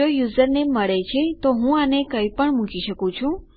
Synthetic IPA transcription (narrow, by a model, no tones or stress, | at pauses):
ojuzəɾneməɭet͡ʃʰet̪oɦũanekəjpəɳmũkiʃəkũt͡ʃʰũ